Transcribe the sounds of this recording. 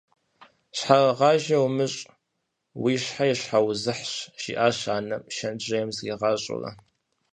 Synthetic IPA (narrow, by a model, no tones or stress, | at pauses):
ɕħarɐʁɑːʒɐwmɨɕʼ | wiːɕħajɛɕħawzɨħɕʒ̥ḭːʔaːɕaːnɐmʃɐnd͡ʒʼɐjɛmzɡiːʁɑːɕʼʊ̰rɐ̰